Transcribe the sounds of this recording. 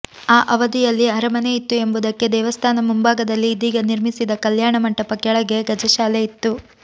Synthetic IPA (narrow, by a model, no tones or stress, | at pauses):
aːʔɐʋɐd̪ijɐlːiɐɾɐmɐneit̪ːue̞mbud̪ɐkːe̞d̪ɛːʋɐst̪ʰaːnɐmumbaːɡɐd̪ɐlːiːd̪iːɡɐniɾmisid̪ɐkɐljaːɳɐmɐɳʈɐpɐkjɐɭɐɡe̞ɡɐd͡ʒɐʃaːleit̪ːu